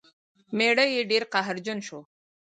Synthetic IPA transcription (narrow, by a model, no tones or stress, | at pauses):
meɽəjeɖeɾqaɦɾd͡ʒʊnʃo